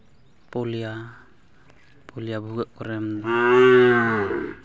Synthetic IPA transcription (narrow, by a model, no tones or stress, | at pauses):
polia | poliabuɡaʔkuɾɛm